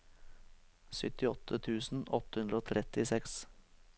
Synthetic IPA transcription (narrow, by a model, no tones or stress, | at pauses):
sʏt̪ɪɔt̪ʰət̪ʰʉːsn̩ɔt̪əhʉnd̪ɾəoːt̪ʰɾɛt̪ɪsɛks